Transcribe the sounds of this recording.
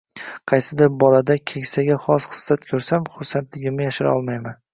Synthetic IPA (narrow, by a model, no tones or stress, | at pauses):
qʰɑjsɪd̪ɪɾbɒlad̪akʲʰekʲsaɡʲaχɒsχɨ̥sːat̪kʲʰɵɾsamχʊɾsant̪lɪɡʲɪmɪjaʃɪɾɒlˠmajman